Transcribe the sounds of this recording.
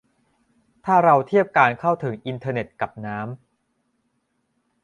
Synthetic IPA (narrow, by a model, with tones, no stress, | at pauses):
t̪ʰaː˥˩ɾa˧wt̪ʰi˥˩əp̚kaː˧nkʰa˥˩wt̪ʰɯ˩˦ŋʔi˧nt̪ʰɤː˧ne˨˩t̪̚ka˨˩p̚naː˦˥m